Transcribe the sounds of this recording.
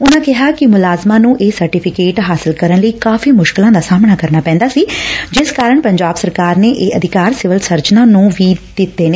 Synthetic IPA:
ʊnãːkɪɦaːkɪmʊlaːzmãːnũːʔeːsəɾʈɪːpʰɪkeːʈɦaːsɪlkəɾənləiːkaːfʰiːmʊʃkɪlãːd̪aːsaːmɳaːkəɾnaːpɛ̃ːnd̪aːsiːd͡ʒɪskaːɾəɳpəɲd͡ʒaːbsəɾkaːɾneːʔeːʔəd̪ʱɪkaːɾsɪʋəlsəɾt͡ʃnãːnũːʋiːd̪̥ɪt̪ːeːne

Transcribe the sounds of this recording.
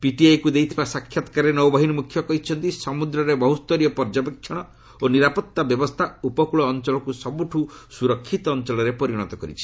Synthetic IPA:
piʈiajkud̪ejt̪ʰibasakʰːjat̪ɔ̥kaɾenɔwbaɦinɔmukʰjɔkɔɦit͡ʃʰɔnt̪isɔmud̪ɾɔɾebɔɦust̪ɔɾijɔpɔɾd͡ʒapekʃɔɽ̃ɔ | oniɾapɔt̪ːabjɔbɔst̪ʰaupɔkuɭɔːnt͡ʃɔlɔkusɔbuʈʰusuɾɔkʰːit̪ɔːnt͡ʃɔlɔɾepɔɾiɽ̃ɔt̪ɔkɔɾḭt͡ʃʰi̥

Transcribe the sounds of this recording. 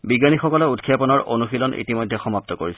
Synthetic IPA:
biɡanixɔkɔlɛutkʰjapɔnɔɹonuxilɔnḭtimɔjdʱːɛxɔmap̚t̪ɔkoɹis

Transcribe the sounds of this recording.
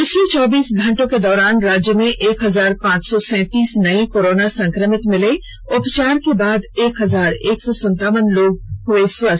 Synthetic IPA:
pɪt͡ʃʰlet͡ʃɔːbiːsɡʱɐ̃ɳʈõked̪ɔːɾaːnɾaːd͡ʒjəmẽʔeːkɦɐzaːɾpãːt͡ʃsɔsɛ̃ːt̪iːsnɐikoːɾoːnasɐ̃ŋkɾəmɪt̪mɪle | ʊpt͡ʃaːɾkebaːd̪eːkɦɐzaːɾeːksɔːsə̃nt̪aːʋənloːɡɦʊeswə

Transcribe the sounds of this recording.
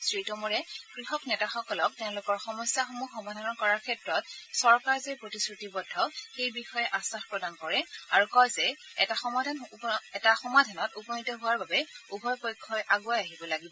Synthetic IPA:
sɹitɔmɔɹɛkɹixɔknɛtaxɔkɔlɔk̚tɛʊ̃lʊkɔɹxɔmɔsjaxomuxɔmadʱanɔɹkɔɹaɹkʰɛtɹɔt̚sɔɹkaɹzepɹotisɹutibɔdʱːɔxejbixɔjɛʔasaxpɹɔdankɔɹɛaɹukɔjzɛɛ̰taxɔmadʱanɛtaxɔmadʱanɔtupɔnitɔɦʊwaɹbabɛubʱɔjpɔjkʰːɔjʔaɡuajaɦibɔlaɡibɔ

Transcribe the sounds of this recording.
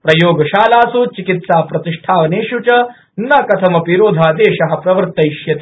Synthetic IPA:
pɾɐjoːɡɐʃaːlaːsut͡ʃikit̪saːpɾɐt̪iʂʈʰaːʋɐneːʃut͡ʃɐ | nɐkɐt̪ʰɐmɐpiɾoːd̪ʱaːd̪eːʃɐɦɐ̆pɾɐʋɐɾt̪ːɐjʃjɐt̪i̥

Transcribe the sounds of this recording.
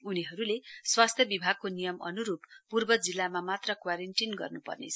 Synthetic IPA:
uniɦʌɾuleswast̪ʰjʌbibʱaɡ̚konijʌmʌ̰nuɾuppurbʌd͡zilːamamat̪rʌkwaɾeɳʈinɡʌ̰rnupʌ̰rnḛt͡sʰʌ

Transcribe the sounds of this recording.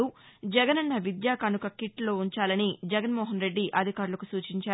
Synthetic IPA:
u | d͡ʒɛɡɐnɐnːɐʋid̪jaːkɐnukɐkiʈlo̞ːuɲt͡ʃaːlɐnid͡ʒɛɡɐnmɔːɦɐnɾe̞ɖːiʔɐd̪ʱikaːɾulɐkusuːt͡ʃiɲt͡ʃaː

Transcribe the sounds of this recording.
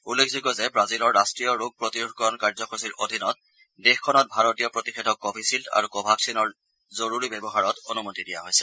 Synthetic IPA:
ulːekʰziɡɔzɛbɹazilɔɹːastɹijɔɹoɡ̚pɹotiukɔnkaɹzɔxɔsiɹʔodʱinɔt̚ | dexkʰɔnɔt̚bʱaɹotijɔpɹotixedʱɔkːɔbʰisilta̰ɹukɔbʱaksinɔɹ | zoɹuɹibɛbɔɦaɹɔtonumotidija̰ɦojsɛ̥

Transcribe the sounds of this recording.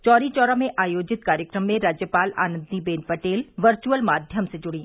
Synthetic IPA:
t͡ʃɔːɾit͡ʃɔːɾamẽʔaːjoːd͡ʒɪt̪kaːɾjəkɾəmːẽɾaːd͡ʒjəpaːla̰ːnə̃nd̪ibeːnpɐʈeːlʋɐɾt͡ʃuəlmaːd̪ʱjəmsed͡ʒʊɽiː

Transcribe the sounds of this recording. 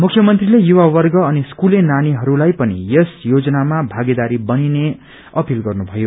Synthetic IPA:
mukʰjʌmʌnt̪rilejuwawʌrɡʌʌniskulenaniɦʌɾulajpʌnijʌsjod͡zʌnamabʱaɡed̪aɾibʌnine | ʌpilɡʌrnubʱʌjo

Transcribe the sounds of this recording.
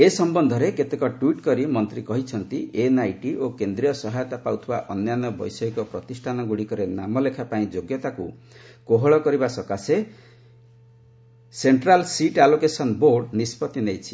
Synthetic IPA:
esɔmbɔnd̪ʱɔɾeket̪ekɔʈwiʈkɔɾimɔnt̪ɾikɔɦit͡ʃʰʌnt̪ienajʈiʔokend̪ɾijɔsɔɦajɔt̪apawt̪ʰibaʔɔnjanɔbɔjsɔekɔpɾɔt̪isʈʰanɔɡuɽikɔɾenamɔlekʰapaĩd͡ʒoɡjɔt̪aku | koɦɔɭɔkɔɾibasɔkase | seɳʈɾalsiʈalokesɔnboɾɖnispɔt̪inejt͡ʃʰi̥

